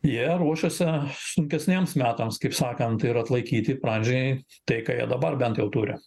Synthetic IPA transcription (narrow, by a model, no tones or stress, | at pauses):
jiɛɾuɔʃʲɛsʲɪsʊŋʲkʲɛsʲnʲeɛmsmʲæːt̪ɐmskɐɪpsɑːkɐnt̪ɪɾɐt̪lˠɐɪkʲiːt̪ʲɪpɾɑnʲd͡ʒʲɛɪ | t̪ɐɪkɑːjiɛd̪ɐbɐrbʲɛnt̪jɛʊt̪uːɾʲɪ̰